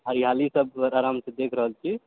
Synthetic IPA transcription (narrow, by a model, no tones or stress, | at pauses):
ɦəɾiɦalisəbɾaɾamsed̪ekʰɾəɦəlt͡ʃʰi